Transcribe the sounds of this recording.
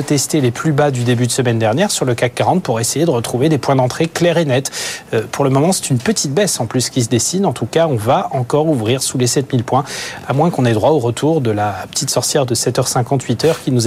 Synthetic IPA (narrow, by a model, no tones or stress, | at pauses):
t̪ɛst̪eleplybad̪yd̪ebyd̪əsəmɛnd̪ɛʁnjɛʁsyʁləkak̚ɡʁɑ̃d̪puʁesejed̪əʁət̪χuved̪epwɛ̃d̪ɑ̃t̪χeklɛʁenɛt̪pʰuʁləmɔmɑ̃sɛ̥t̪ynpət̪ʰit̪̚bɛsɑ̃plyskʲis̬əd̪esinɑ̃t̪ukaɔ̃vaɑ̃kɔʁuvʁiʁsulesɛt̪milpwɛ̃amwɛ̃kɔ̃nɛd̪ʁwaoʁət̪ʰuʁd̪əlapə̥t̪it̪sɔʁsjɛʁd̪əsɛt̪œʁsɛ̃kɑ̃t̪ɥit̪œʁkʲinuz